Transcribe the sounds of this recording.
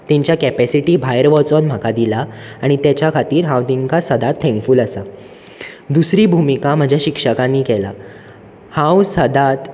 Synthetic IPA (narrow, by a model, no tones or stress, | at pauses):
t̪iɲt͡ɕjakɛpæsiʈiːbʱajəɾʋɔt͡sɔnm̤akad̪ilaaɽ̃it̪jat͡ɕjakʰat̪iːɾɦãwt̪iŋkasəd̪at̪ʰːɛ̃ŋkfuːləsa | d̪usɾiːbʱumikam̤əd͡ʑʱjaɕikʂəkãnːiːkɛla̰ | hãwsəd̪at̪